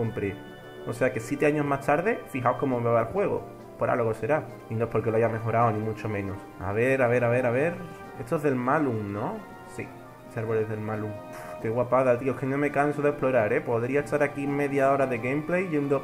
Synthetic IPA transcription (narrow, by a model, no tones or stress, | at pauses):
o̞mpɾe | ose̞ake̞sjet̪e̞aɲo̞ɦmaht̪aɾðe̞fiɦaoko̞momβeβalxwe̞ɣ̞o̞̰ | poɾʔa̰lɣose̞ɾa | inopoɾk̬eloaʝame̞ɦo̞ɾaonĩmut͡ʃo̞mẽ̞nos | a̰β̞e̞ɾaβe̞ɾaβe̞ɾaβe̞ɾ | e̞st̪oeɦðe̞lmaluŋnõ | sḭ | eseaɾβo̞lezðe̞lmaluŋ | ke̞ɣwapaðalt̪iokenõme̞kansoðehplo̞ɾaɾe̞po̞ðɾiaest̪aɾakime̞ðjao̞ɾaðe̞ɣemple̞jʝe̞nd̪o